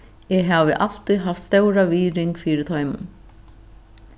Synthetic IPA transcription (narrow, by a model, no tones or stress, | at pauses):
ɛɣɦavɪʔal̥t̪iɦaft̪st̪œwɾaviːɾɪŋkfiːɾɪɾt̪ʰɔːjmʊ̰n